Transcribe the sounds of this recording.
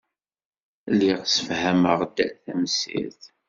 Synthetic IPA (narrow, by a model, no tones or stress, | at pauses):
lːiʁsə̥fhæməʁd̪æθæmsḭθ